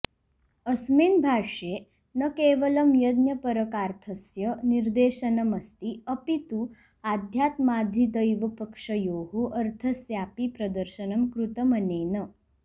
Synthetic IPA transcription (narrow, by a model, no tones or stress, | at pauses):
əsmiːnbʱaːʂe | nəkeːʋəlɐmjɐd̪njɐpəɾəkaɾt̪ʰɐsjəniɾd̪eːʃənɐmɐst̪iəpit̪u | ad̪ʱjat̪maːd̪ʱid̪əjʋɐpəkʂəjoːɦoʔɐɾt̪ʰɐsjaːpipɾɐd̪əɾʃənɐmkɾut̪əməneːnə